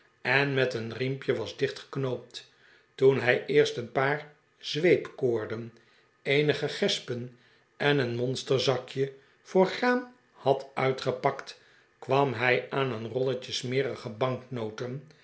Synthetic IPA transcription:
ɛnmɛtənrimpjəʋɑzdɪχtχə̥knowp̚t | tunɦɛjʔɪːɹstənpaːɹ | z̥ʋejpkoːɹdən | ejnəχəχɛspən | ʔɛnənmɔnstəɹzɑkjə | fʊːɹχaːn | hɑtœɥtχəpɑkt | kʋɑmɦɛjaːnənrɔlət͡ʃəsmɪːɾəχəbɑŋknowtən

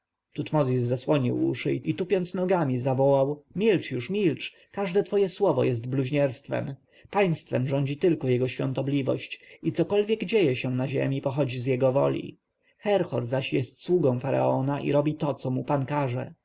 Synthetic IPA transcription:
t̪ut̪mɔzʲizːaswɔɲḭwṵʂɘ̰ʔit̪upʲjɔnt̪snɔɡamʲizavɔwawmʲilt͡ʂjuʂmʲilt͡ʂ | kaʐd̪ɛt̪fɔjɛswɔvɔjɛs̬t̪bluʑɲɛɾst̪fɛ̰m | paj̃st̪fɛmʐɔɲd͡ʑit̪ɘlkɔjɛɡɔɕfʲjɔ̰nt̪ɔblʲivɔ̰ɕt͡ɕit̪sɔkɔlvʲjɛɡd͡ʑejɛɕɛnaʑɛ̰mʲipɔxɔd͡ʑizjɛɡɔvɔ̰lʲḭ | xɛɾxɔɾzaɕjɛst̪swuɡɔ̃w̃faɾa̰ɔnaʔḭɾɔbʲit̪ɔt̪sɔmupankaʐɛ̰

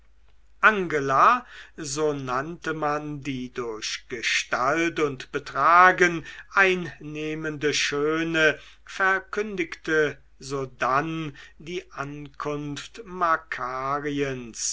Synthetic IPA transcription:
ʔaŋɡəlazoːnantəmandiːdʊɐɕɡ̥əʃtaltʊntb̥ətʁ̥aːɡənʔaɪnːeːməndəʃøːnə | fɛɐkʰʏndɪktə | zoːdandiːʔankʰʊnftmakʰaːʁiəns

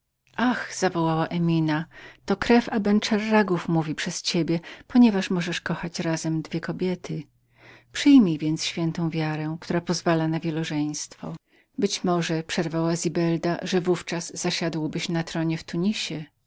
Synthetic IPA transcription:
ʔaxz̥avɔwawaʔɛmʲinat̪ɔkɾɛfabɛnt͡ʂɛrːaɡufmuvʲipʂɛst͡ɕebʲjɛpɔɲɛvaʂmɔʐɛʂkɔxat͡ɕɾazɛmd̪vʲjɛkɔbʲjɛt̪ʰɘ | pʂɘjmʲijvʲjɛnt̪sɕfʲjɛnt̪ɔ̃w̃vʲjaɾɛk̚t̪uɾapɔzvalanavʲjɛlɔʐɛj̃st̪fɔ̰ | bɘt͡ɕmɔʐɛpʂɛɾvawazʲibɛld̪a̰ʐɛvuft͡ʂazːaɕad̪wbɘɕnat̪ɾɔɲɛft̪uɲiɕɛ

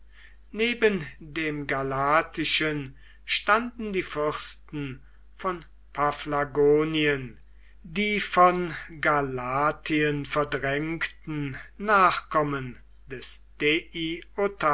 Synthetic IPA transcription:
neːbəndeːmɡalaːtʰɪʃən | ʃtandn̩diːfʏʁstn̩ | fɔn | pʰaflaɡoːniən | diːfɔnɡalaːtʰiənfɛɐdʁɛŋktn̩naːχkɔmən | dɛsd̥eʔiota

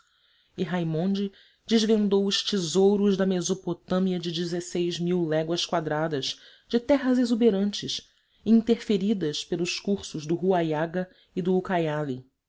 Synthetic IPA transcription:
ɪɦajmõnd͡ʒɪ | d͡ʒɪzvẽnd̪owʊʃt͡ʃizowɾʊʒd̪ɐmezopot̪ɐ̃miɐd͡ʒɪd͡ʒɪzesejzmiwlɛɡwɐskwad̪ɾad̪ɐz | d͡ʒɪt̪ɛɦɐzezubeɾɐ̃nt͡ʃɪʃ | ĩnt̪eɾfeɾid̪ɐspelˠʊʃkuχsʊʒd̪ʊɦuajaɡɐ | id̪ʊukajali

